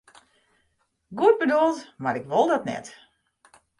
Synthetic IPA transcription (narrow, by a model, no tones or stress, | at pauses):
ɡuət̚bədolˠtmaɾɪkʋolˠdɔtnɛ̰t